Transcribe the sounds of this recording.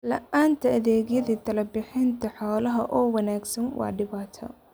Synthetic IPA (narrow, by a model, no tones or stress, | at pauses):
lɐʔaːnt̪ʰɐɐðeːɣjɐðiːt̪ʰɐlɐbɪħɪnt̪ʰɐħɔːlɐɦɐʔɔːwɐnaːɡsɐnwʔɑ̰ʕɖɪβaːt̪ʰɔ̰